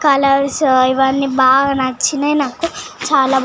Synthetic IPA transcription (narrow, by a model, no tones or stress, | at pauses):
kɐlɐɾsiʋɐnːibaːɡɐnɐt͡ʃːinɐnaːkut͡ʃaːlaː